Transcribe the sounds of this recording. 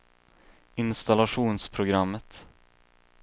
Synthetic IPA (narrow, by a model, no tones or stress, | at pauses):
ɪnst̪alaɧuːnspʰɾʊɡɾamːət̪